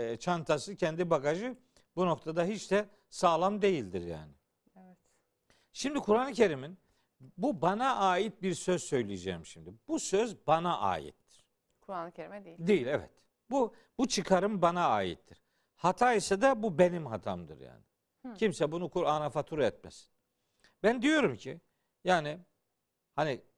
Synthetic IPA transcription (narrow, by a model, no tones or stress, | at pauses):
t͡ʃʰant̪ʰasɯcʰɛnd̪ibakaʒɯ | buno̞k̚t̪ʰad̪aɦit͡ʃd̪ɛ | saːlˠamd̪e̞jilʲd̪iɾja̰ːnɪ | vɛt̪ | ʃimd̪ikʰuɾanˠɯcʰe̞ɾimin | bubanaʔaːjit̪̚biɾsøz̥sø̞jlʲijed͡ʒɛ̰jmʃimd̪ib̥usøzbanaʔa̰ːjḭt̪ːi̥ɾ̥ | d̪ejilʲɛvɛ̰t̪ | bu | but͡ʃʰɯkʰaɾɯmbanaaːjḭt̪ʰːiɾ̥ | hat̪ʰaːjisad̪abube̞nimɦat̪ʰamd̪ɯ̰ɾja̰ːnɪ | cʰimsɛbunukuɾanafat̪ʰuɾɛt̪̚mḛsi̥n | bænd̪ijo̞ɾumcʰi | jaːnɪ | hani